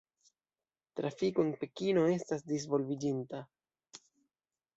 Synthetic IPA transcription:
tɾafiko̞enpe̞kino̞e̞stasdis̬vo̞lvid͡ʒinta

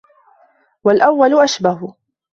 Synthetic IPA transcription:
walʔawːalʊʔaʃbaɦʊ

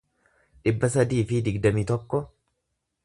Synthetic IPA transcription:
ᶑɪbːɐsɐd̪iːfɪd̪ɪɡd̪ɐmit̪ɔkːɔ

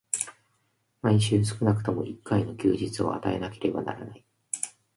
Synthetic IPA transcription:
maĩɕɨːs̬ɨ̥kɯ̟nakɯ̟t̪o̞mo̞̰ʔikːaino̞kʲɨ̰ːʑit͡sɨo̰a̰t̪ae̞nake̞ɾe̞bana̰ɾanai

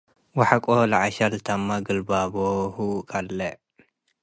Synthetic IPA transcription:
waħakʼolaʕaʃɐlt̪ʰɐmːaɡɨlbabohukʰʼɐlːɐ

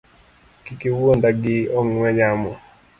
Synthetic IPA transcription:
kikɪwondaɡɪɔŋwɛɲamɔ

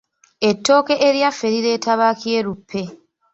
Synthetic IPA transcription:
e̞tːo̞ːke̞ʔeɾjafːeɾiɾe̞ːtʰaβaːkije̞ːɾupʰːe̞

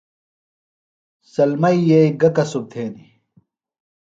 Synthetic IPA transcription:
sɐlmɐjjeiɡɐkɐsub̚t̪ʰeːni

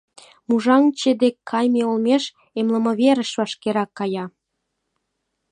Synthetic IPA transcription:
muʒɑŋt͡ɕed̪ekʰːɑjmeolmeʃ | emlə̆mɤ̆βeɾəʃβɑʃkeɾɑkːɑjɑ

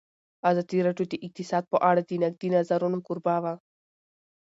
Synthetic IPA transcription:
azɐt̪iɾɐʈut̪iʔik̚t̪isaːd̪̚poʔaɽɐt̪inɐk̚d̪inɐzɐɾonukuɾbaːʋa

